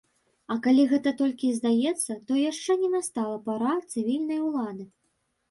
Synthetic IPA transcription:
ɐkalʲiɣɛt̪ɐt̪ɔlʲkʲizd̪ajɛt̪sːɐt̪ɔjaʂt͡ʂɛnʲɛnast̪alˠɐpaɾat̪sɨvʲilʲnɐjwlˠad̪ɨ

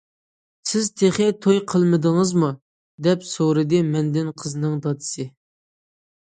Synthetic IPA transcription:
sɪzt̪ʰeχɪt̪ʰojqʰəlˠmɨd̪əŋɨzmu | d̪ɛpsoɾɨd̪ɨmɛnd̪ɪnqʰəzɨnɨŋd̪ɑt̪ɨ̥sɨ

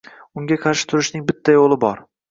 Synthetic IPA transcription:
ʊŋɡʲaqʰɑɾʃɪ̥t̪ʰʊɾɪʃnɪŋbɪt̪ʰːajolˠɪbɒɾ

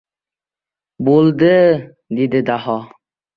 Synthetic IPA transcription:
bolˠd̪ɪ | d̪ed̪ɪd̪aɦɒ

